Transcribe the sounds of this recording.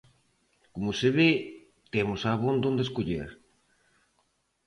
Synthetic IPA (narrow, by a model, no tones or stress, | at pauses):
komʊseβe | t̪emʊsaβond̪õnd̪eskoʎḛɾ